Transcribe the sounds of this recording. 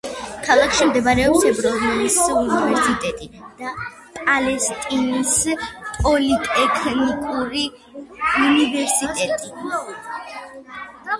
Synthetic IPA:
kʰalˠakʰʃimd̪ɛbaɾɛɔpsɛbɾɔznanisunivɛɾsit̪ʼɛt̪ʼid̪̥a | pʼalɛst̪ʼinispʼɔlit̪ʼɛkʰnikʼuɾi | univɛɾsit̪ʼɛt̪ʼi

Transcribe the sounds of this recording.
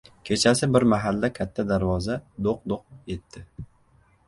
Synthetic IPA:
kʲʰe̞t͡ʃʰasɪbɪɾmaɦalːakʲʰat̪ʰːad̪aɾvɒzad̪oq̚d̪oq̚je̞t̪ʰːɪ

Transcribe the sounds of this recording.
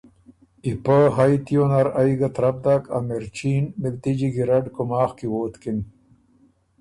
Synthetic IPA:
ipaɦajt̪ijonɐɾɐiɡɐt̪ɾɐb̚d̪akɐ̰meɾt͡ɕiːnmilt̪id͡ʑiɡiɾɐɖkumaːxkiwoːt̪kin

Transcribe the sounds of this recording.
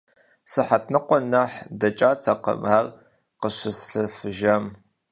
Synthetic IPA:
sɨħat̚ʰnɨqʷɔnɐħdɐt͡ʃʼaːtʰɐqə̰mar | qəɕʷɪsɬɨfɨʒɐm

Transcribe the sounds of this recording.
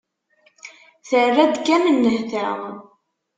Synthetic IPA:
θərːæd̪kæmənːəhθæʁ

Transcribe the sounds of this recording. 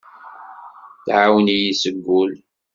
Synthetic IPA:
θʕawənijisəɡʷːʊl

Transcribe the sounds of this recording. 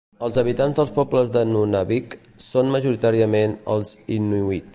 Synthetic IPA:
əlˠzəβ̞it̪anzðəlˠspɔpləzðənunaβik | sonməʒuɾit̪aɾiəmenə̰lˠzinːiui

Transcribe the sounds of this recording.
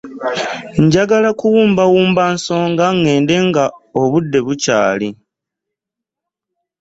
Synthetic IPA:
ɲɟaɡalakuwuːmbawuːmbanso̞ːŋɡaŋːe̞ːnde̞ŋɡaoβudːe̞βucaːli

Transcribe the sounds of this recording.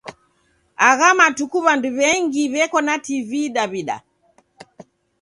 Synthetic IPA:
aɣamatukuβanduβɛŋɡiβɛkɔnativiɗaβiɗa̰

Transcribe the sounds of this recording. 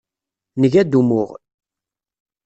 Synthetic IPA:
nəʝæd̪umʊʁ

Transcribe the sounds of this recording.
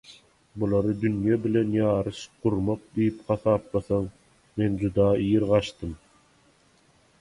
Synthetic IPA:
bulˠɑɾɯd̪ynjæbilenjɑːɾɯʃquɾmɑq̚d̪ijipχɑθɑːp̚lɑθɑŋ | mend͡ʒud̪ɑːijɾʁɑʃt̪ɯm

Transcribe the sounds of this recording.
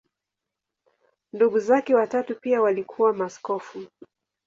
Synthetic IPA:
nduɠuzakɛwatatupiawalikʰuwamaskɔfu

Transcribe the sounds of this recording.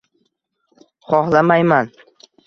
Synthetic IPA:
χɒχlamajman

